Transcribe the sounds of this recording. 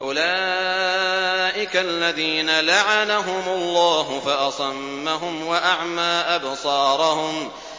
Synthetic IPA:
ʔʊlaː | ʔɪkalːaðiːnalaʕanaɦʊmʊlˤːɑːɦʊfaʔɑsˤɑmːaɦʊmwaʔaʕmaːʔabsˤɑːɾˤɑhʊm

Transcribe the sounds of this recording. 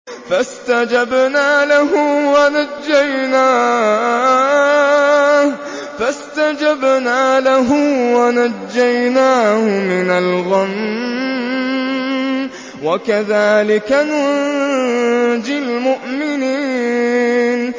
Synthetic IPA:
fast̪ad͡ʒabnaːlaɦʊwanad͡ʒːajnaː | fast̪ad͡ʒabnaːlaɦʊwanad͡ʒːajnaːhʊmɪnalɣam | wakaðaːlɪkana | d͡ʒɪlmʊʔmɪniː | n

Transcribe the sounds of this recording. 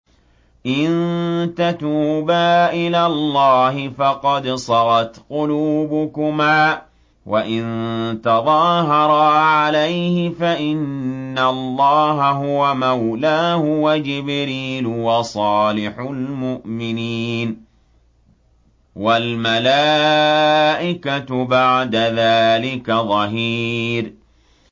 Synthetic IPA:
ʔɪnt̪at̪uːbaːʔɪlaːlˤːɑːɦɪfɑqɑd̪sˤɑɣɑt̪qʊluːbʊkʊmaː | waʔɪnt̪ɑðˤɑɦɑɾˤɑʕalajhɪfaʔɪnːaɑlˤːɑːɦaɦʊwamawlaːhʊwad͡ʒɪbɾiːlʊwɑsˤɑːlɪħʊlmʊʔmɪniːn | walmalaː | ʔɪkat̪ʊbaʕd̪aðaːlɪkaðˤɑɦiːɾ

